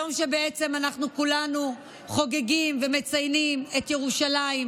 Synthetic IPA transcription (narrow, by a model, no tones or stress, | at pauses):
omʃe̞beet͡se̞manaχnukulanu | χo̞ɡe̞ɡimve̞me̞t͡sajnime̞tjeʁuʃalaim